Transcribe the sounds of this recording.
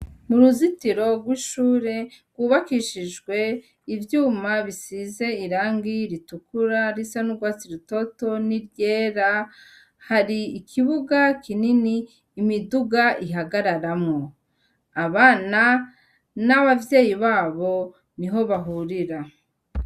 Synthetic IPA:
muɾuzitiɾo̞ɡwiːʃuːɾe̞ɡ̥wuβakiʃiʒɡwe̞ | ivjuːmaβisize̞iɾaːŋɡiɾitukuɾaɾisanuɡwaːt͡siɾito̞to̞niɾjeːɾa | haɾiːkʰiβuɡakʰininiː | miduɡaʔiɦaɡaɾaɾamŋo̞ | aβaːna | naβavje̞ːjiβaːβo̞ | niɦo̞βaɦuɾiɾa

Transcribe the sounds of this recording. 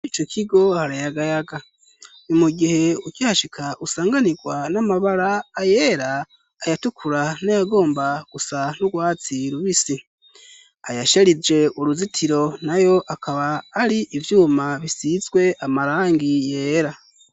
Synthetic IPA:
it͡ʃo̞kʰiɡo̞haɾajaɡajaɡa | nimuɡihe̞ukihaʃikʰaʔusaːŋɡaniɡwanamaβaɾaːjeɾaː | jatukʰuɾanajaɡo̞ːmbaɡ̥usan̥uɡwaːt͡siɾuβisi | ajaʃaɾizd͡ʒe̞ʔuɾuzitʰiɾo̞najo̞ʔakaβaːɾiʔivjuːmaβisizɡwe̞ʔamaɾaːŋɡije̞ːɾa

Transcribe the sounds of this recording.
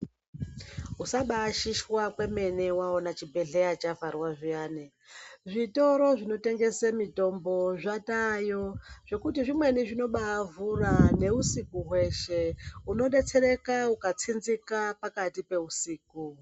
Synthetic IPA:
usaɓaːʃiʃwakwe̞me̞ne̞wao̞nat͡ʃibʱe̞ɮe̞jat͡ʃavarwaʐijaːne | ʐito̞ɾo̞ʐino̞te̞ŋɡe̞semito̞mbo̞ʐatajo̞ʐ̥e̞kutiʐimwe̞niʐino̞ɓavurane̞usikuɦwe̞ʃe̞uno̞ɗe̞t͡se̞ɾe̞kaukat͡sinzikapakatipe̞usiːk̚u

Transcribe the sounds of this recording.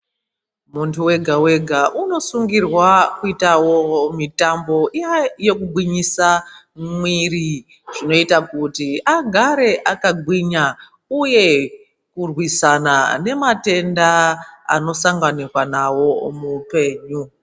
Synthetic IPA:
muntʰuwe̞ɡʱawe̞ɡʱaʔuno̞suŋɡirwakuitawomitambo̞ʔijaje̞kubwiɲisa | mwiri | ʐ̥ino̞itakutiaɡʱaɾe̞ʔakaɡʱwiɲa | uje̞ | kurwisana̰ne̞mate̞ndaa̰no̞saŋɡanirwanawo̞mupe̞ːɲu

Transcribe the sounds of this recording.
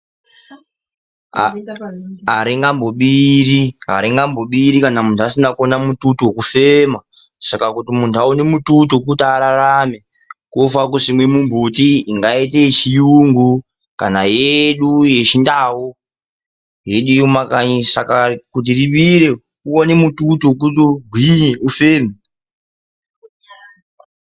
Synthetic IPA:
aɾiŋɡamboɓiriɦa̰ɾiŋɡambo̞ɓiɾikanamuntʰuasinakonamututuokufema | sakakutimuntʰuaunemututuk̬utaɾaɾame | kufakuʐimwe̞mumbutiiŋɡaitet͡ʃijuŋɡu | kanajeɗuje̞t͡ʃindaːwo | je̞ɗuomakasa̰kakut̬iriɓiɾe̞ | uonemututuk̬utuɡʱwiɲeufeːme

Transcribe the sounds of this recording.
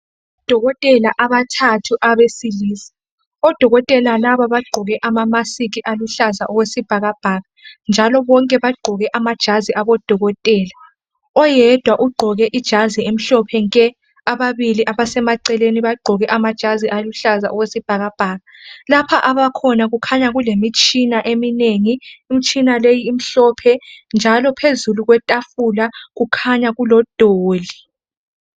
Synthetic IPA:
d̥ʱɔɣɔtʼɛlaʔaβatʰatʰuʔaβesiliːsi̥ | ɔd̥ʱɔɣɔtʼɛlalaβaβaɡ͡ǃʱɔɣɛʔamamasiɣiʔaluɬazaʔɔwesib̥ʱaɣab̥ʱaːɣand͡ʒʱalɔβɔŋkʼɛβaɡ͡ǃʱɔɣɛʔamad̥ʒ̥ʱaziʔaβɔd̥ʱɔɣɔtʼɛːla | ɔjɛd̥ʱwaʔuɡ͡ǃʱɔɣɛʔid̥ʒ̥ʱaziem̩ɬɔpʰɛŋkʼɛ | aβaβiliʔaβasɛmaǀɛleniβaɡ͡ǃʱɔɣɛʔamad̥ʒ̥ʱaziʔaluɬaza̰ʔɔwesib̥ʱaɣab̥ʱaːɣalapʰaʔaβakʰɔnaɣukʰaɲaɣulemit͡ʃʼʰinaʔemineŋiːmit͡ʃʼinalejiːm̩ɬɔpʰɛnd͡ʒʱalɔpʰezuluɣwɛtʼafulaɣukʰaɲaɣulɔd̥ʱoːli

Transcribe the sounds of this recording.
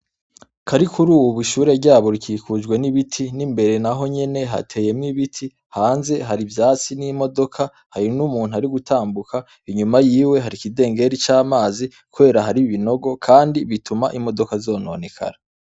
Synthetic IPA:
kʰaɾikʰuɾuːwuβiʃuːɾe̞ɾɟaːβo̞ɾikiːkud͡ʒɡwe̞niβitʰinimbe̞ɾe̞naɦo̞ɲe̞ne̞ɦa̰tʰe̞ːje̞mŋiβitʰi | haːnze̞ɦaɾivjaːt͡sinimo̞do̞kʰa | haɾinumuːn̥uhaɾiɡutaːmbukʰa | iɲumajiːwe̞ɦaɾikide̞ːŋɡe̞ɾit͡ʃaːmaːzi | kuβe̞ːɾaɦaɾiβino̞ɡo̞kʰaːndiβitʰumaʔimo̞do̞kazo̞ːno̞̰ːne̞kʰa̰ɾa

